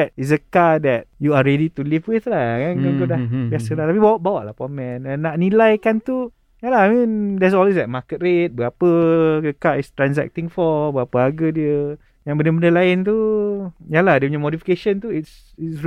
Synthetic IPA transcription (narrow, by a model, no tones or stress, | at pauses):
ɛt̚is̬dəkadɛt̚juaɾɛdit̪ulifwɪθlakankaɡodahbiasəlat̪apibawaʔbawaʔlahpɔmɛ̃nɛ̃nːaʔnilajkant̪u | jalaamĩndɛtsɔlwis̬dɛt̚makət̚ret̪̚bəɡapəɡəkaist̪ɾans̬ɛ̰k̚t̪ĩŋfɔbəɡapəaɡədiə | jãŋbəndəbəndəlaɪnt̪̬u | jalahdəpɲamodifi̥keʃənt̪uits | its